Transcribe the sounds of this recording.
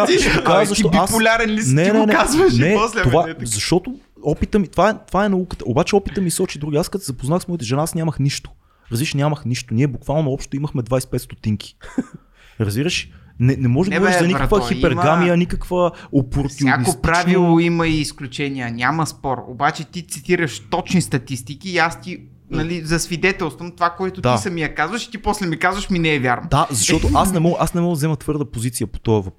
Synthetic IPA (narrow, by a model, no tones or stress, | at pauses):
ʃkazɐʃoaspʊlʲaɾɛnlisnɛnɛnɛazvəʃnɛslt̪ovazɐʃt̪ɔt̪o | ɔpit̪əmit̪ovaɛt̪ovaɛnɐukə̥t̪əobat͡ʃɛɔpit̪əmisɔt͡ʃid̪ɾuɡiaskət̪zɐpoznaxsmɔit̪ɛʒɛnaasnʲaməxniʃt̪o̥ | ɾɐzbiɾʃnʲjaməxniʃt̪oniɛbukvalˠnoɔpʃt̪oiməxmɛd̪vajsɛ̥pɛt̪st̪ot̪iŋkʰi̥ | ɾɐzbiɾəʃnɛnɛmɔʒɛd̪ɡvɔɾʃzɐnikkvəxipɛɾmɡamiənikəkvəopoɾt̪siaopɾavilˠoimɐiːsklʲut͡ʃɛniənʲamɐspɔɾo̰bat͡ʃɛt̪it̪sit̪iɾəʃt̪ɔt͡ʃnist̪ɐt̪ist̪ikiːast̪i | nɐlizɐsvid̪ɛt̪ɛlˠst̪vəmt̪ovakoɛt̪ʊd̪aisɐmijɐkazvɐʃi̥t̪iposlɛmikazvəʃminɛɛvʲjaɾnod̪azɐʃt̪ɔt̪oasnɛmɔɡʔasnɛmɔɡd̪ɐzɛmət̪vɤɾd̪əpozit̪sijəpo̥t̪ɔɐvɐpɾ